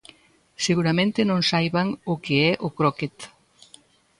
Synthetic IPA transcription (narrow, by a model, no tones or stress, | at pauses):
seɣuɾamẽnt̪enõŋsajβaŋokeɛʔokɾoket̪